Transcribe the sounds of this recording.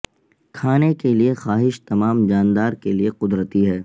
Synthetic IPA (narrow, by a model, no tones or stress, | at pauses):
kʰaːnekeliexaːɦɪʃt̪ɐmaːmd͡ʒaːnd̪aːɾkelieqʊd̪ɾət̪iɦɛː